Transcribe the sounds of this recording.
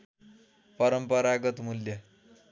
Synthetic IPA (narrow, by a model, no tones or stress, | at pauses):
pʌɾəmpʌɾaɡət̪mulːja